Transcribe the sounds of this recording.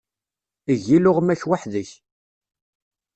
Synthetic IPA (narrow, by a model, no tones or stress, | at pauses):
əʝilʊʁmæçwaħðəç